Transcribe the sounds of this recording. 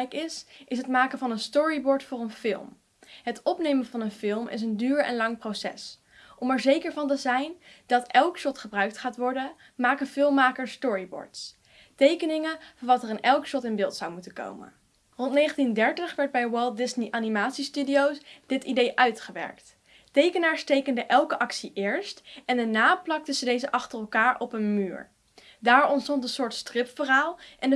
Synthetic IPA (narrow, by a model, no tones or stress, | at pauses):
jkɪsʔɪsɦətmaːkənvɑnənstɔɹibɔɹtfʊːɹənfɪ̰lˠm | ɦətɔpnejmənvɑnənfɪlˠmʔɪ̰s̬əndyːɹɛ̰nlɑŋprowsɛ̰s | ʔɔmɛɹzejkəɹvɑntəzɛjnd̥ɑtɛlˠkʃɔtχəbrœɥk̚tχaːtʋɔɹdə | maːkənfɪlˠmːaːkəɹstɔɹibɔ̰ɹts | tejkənɪŋəvɑnʋɑtərənɛlˠkʃɔtɪnbɪːlˠtsawmutəko̰wmə̰n | rɔntnejχəntindɛɹtəχʋɛɹd̚bɛjwɛlˠdɪsniʔaːnimaːtsistydiowsd̥ɪtidejʔœɥtχəʋɛ̰ɹkt | tejkənaːɹstejkəndəʔɛlˠkəʔɑksiʔɪːɹstɛndənaːplɑk̚təzədejzəʔɑχtərɛlˠkaːɹɔpənmyːɹ | daːɹɔnstɔntəsʊːɹtstrɪpfəraːlˠʔɛnə